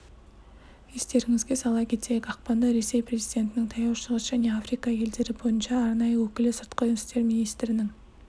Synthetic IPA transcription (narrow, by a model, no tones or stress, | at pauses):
est̪e̞ɾɪŋɪzɡʲe̞sɑlˠɑkʲʰe̞t̪e̞jekɑq̚pɑnd̪ɑɾe̞se̞jpre̞zijd̪ʲe̞nt̪ɪnɪŋt̪ʰɑjɑwʃəʁəsʒ̥æne̞afrijkɑje̞ld̪e̞ɾɪbo̞jənʃɑːɾnɑjəwɵkʲɪlɪsəɾt̪qəʒʏnɪ̥st̪e̞ɾmʲinijst̪ɾɪnɪŋ